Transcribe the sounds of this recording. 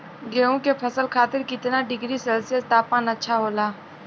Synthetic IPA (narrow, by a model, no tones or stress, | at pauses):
ɡeːõkepʰɐsəlkʰaːt̪ɪɾkɪt̪naɖɪɡɾiseːlsijəst̪aːpaːnɐtːʃʰaɦoːlaː